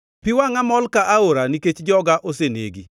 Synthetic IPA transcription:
piwaŋamɔlkaʔaoɾaniket͡ʃd͡ʒɔɡaʔosenḛɡi

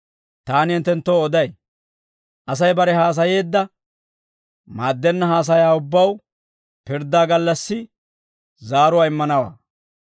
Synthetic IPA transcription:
t̪aːnɪnt̪ɛnt̪ːoɔd̪ɐj | ʔɐs̬ɐjbɐɾɛɦaːs̬ɐje̞ːd̪ːɐ | maːd̪ːɛnːɐhaːs̬ɐjaːʊbːɐw | pɪɾd̪ːaːɡɐlːɐsːɪ | zaːɾʊwaːɪmːɐnɐwa̰ː

